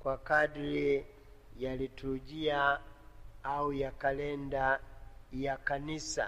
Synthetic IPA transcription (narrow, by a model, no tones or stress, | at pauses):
kwakadɾi | jalituuʄia | aujakalɛnda | jakanisa̰